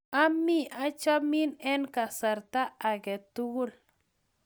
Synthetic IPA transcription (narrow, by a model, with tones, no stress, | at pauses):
a˦mːi˦ʔa˦t͡ʃa˦mi˦nɛ˦nka˨sa˨ɾta˦a˨ɡɛ˨t̪u˦ɡu˦l